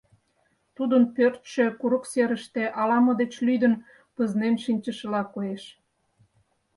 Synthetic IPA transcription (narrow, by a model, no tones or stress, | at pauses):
t̪ud̪ənpørt̪ʃø̆kuɾəkseɾəʃt̪eʔɑlɑmod̪et͡ɕlyd̪ən | pəznemʃinʲt͡ɕəʃə̆lɑkojeʃ